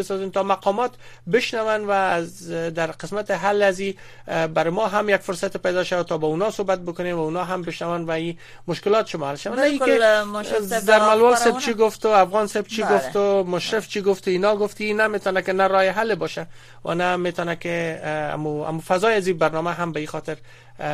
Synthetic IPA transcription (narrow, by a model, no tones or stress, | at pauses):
ɪsɔzent̪ɔmaqɔmɒt̪bɪʃnawanwazd̪aɾqɪsmat̪ɪɦalːazi | baɾɪmɔɦamjakfʊɾsat̪ɪpajd̪ɔʃawat̪ɔbaunɔsobat̪̚bʊkʊnemwaunɔɦambɪʃnawanwai | mʊʃkɪlɔt̪ʃɪmɔɦalʃawa | zaɾmalwɔlsebt͡ʃiɡʊft̪ʊafɣɔnseb̚t͡ʃʰiɡʊft̪ʊmʊʃɾɪft͡ʃiɡʊft̪inɒɡʊft̪iinamet̪ɔnakɪnaɾɔjɪɦalɪbɔʃa | wʔa̰namet̪ɔnakɪa̰mua̰mufazɒjazibaɾnɔmaɦambaixɔt̪ɪɾ